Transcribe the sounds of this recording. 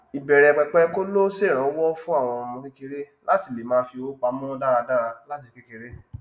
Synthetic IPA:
i˨bɛ˨ɾɛ˨k͡pɛ˧k͡pɛ˦ko˦lo˦se˦˨ɾ̃ã˨˦wɔ˦fũ˦a˦˨w̃ɔ̃˧ɔ˧mɔ̃˧ke˦ke˦ɾe˦ | la˦ti˧˨le˨mãː˨˦fi˧o˦k͡pa˨˦mɔ̃˦da˦ɾa˧da˦ɾa˧la˦t̬i˧ke˦ke˧ɾe˦

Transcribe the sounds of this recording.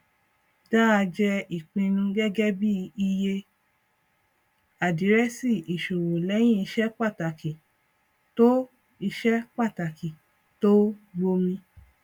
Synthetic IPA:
da˦a˧d͡ʒɛ˧i˨k͡pĩ˧nũ˧ɡɛ˦ɡɛ˦bi˦i˧je˧ | a˨di˨˦ɾɛ˦si˦˨i˨ʃu˨ɾo˨lɛ˨˦j̃ĩ˦i˧ʃɛ˦k͡pa˦˨ta˨ki˨ | to˦ | i˧ʃɛ˦k͡pa˦˨ta˨ki˨ | to˦ɡ͡bo˧mĩ˧

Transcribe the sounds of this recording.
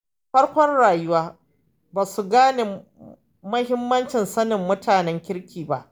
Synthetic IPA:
ɸɐ˦ɽkʷɔ˦nɽaː˨jʊ˦waː˦ | baː˨su˦ɡaː˦neː˨ | mɐ˦hɪ˦mːɐ˦nt͡ʃɪ˨nsɐ˦nɪ˨mːʊ˦tʰaː˨nɛ˦ŋkʲɪ˦ɽkʲiː˨ba˦ʔ

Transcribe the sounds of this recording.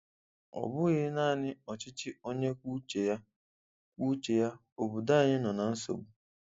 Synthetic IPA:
ɔ̰˨bʊ˦ɣɪ˦na˦˨nɪ˦ɔ˨t͡ʃɪ˦t͡ʃɪ˦o˦ɲe˦kʷu˦t͡ʃe˨ja˦ | ku˦t͡ʃe˨ja˦ | o˨bu˨da˦˨ɲɪ˦nɔ˨na˨n̩˦so̰˨ɡ͡bu˦

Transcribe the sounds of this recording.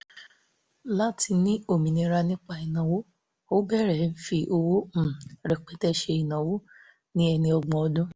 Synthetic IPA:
la˦ti˧nĩ˦o˦˨mĩ˨nĩ˧ɾa˧nĩ˦k͡pa˧i˨nã˨wo˦ | o˦bɛ˦˨ɾɛ˨˦n̩˦fi˧ʔo˧wo˦˨ɾɛ˨k͡pɛ˨˦tɛ˦ʃe˧i˨nã˨wo˦ | nĩ˦ɛ˧nĩ˧ɔ˧ɡ͡bɔ̃˧ɔ˧dũ˦

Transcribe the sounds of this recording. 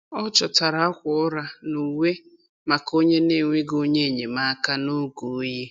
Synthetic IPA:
ɔ˦t͡ʃɔ˨ta˨ɾa˨˦a˦kʷʊ˨ɔ˦ɾa˦nu˨we˦ | ma˨ko˦ɲe˦ne˦˨ŋʷe˦ɡo˦ɲe˦˨ɲe˨ma˦ka˦no˦ɡu˨˦je˦

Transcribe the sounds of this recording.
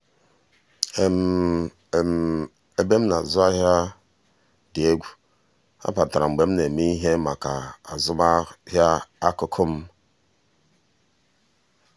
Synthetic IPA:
e˦m˨ | m˦ | e˦be˦m̩˦na˨zʊ˦a˦ɦja˦ | dɪ˨e˦ɡʷu˦ | a̰˦pa˨ta˨ɾa˨ŋ͡m̩˨ɡ͡be˨m̩˦ne˨mi˦ɦe˦ma˨ka˨a˨zʊ˦ma˦hjaː˦kʊ˨kʰʊ˦m̩˦

